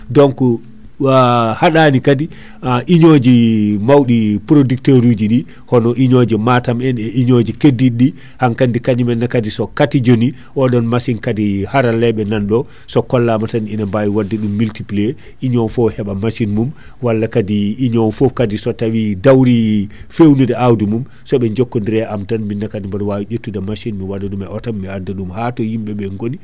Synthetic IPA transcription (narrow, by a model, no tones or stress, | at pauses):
dɔnku | haɗaːnikadi | aʔiɲod͡ʒimawɗipuɾodikteɾud͡ʒiɗi | hɔnɔʔiɲod͡ʒɛmatamɛnɛʔiɲod͡ʒikedːiɗi | haŋkandikaɲimɛnːakadisɔkatid͡ʒoni | ʔɔɗɔnmasinkadihaɾalɛɓɛnanɗɔ | sɔkɔlːamataninambajiwadːɛɗumːiltiple | iɲɔnfɔhɛɓamaʃinmum | walːakadiːɲɔnfɔkadisɔtawidawɾifewnudɛawdimum | sɔɓɛɲd͡ʒokːondiɾɛamtanminːakadimbaɾwawiɟotːudamaʃinmiwadaɗumɛɔtamːɛadːaɗumhatɔhimɓɛɓɛŋɡoni